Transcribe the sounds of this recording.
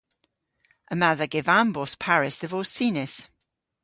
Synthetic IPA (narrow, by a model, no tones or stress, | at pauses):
ʔəmaðəɡɪvambɔspʰaɹɪsðəvɔːsiːnɪs